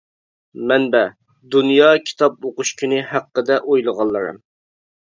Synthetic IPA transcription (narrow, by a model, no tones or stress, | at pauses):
mɛnbɛ | d̪unjɑkʲʰi̥t̪ʰɑp̚oqʊʃkʲynɪhæqːəd̪ɛʔojlˠəʁɑlˠːəɾɨ̰m